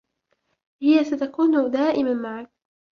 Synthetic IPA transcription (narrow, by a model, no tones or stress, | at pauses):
hɪjasat̪akuːnʊd̪aːʔɪmanmaʕak̚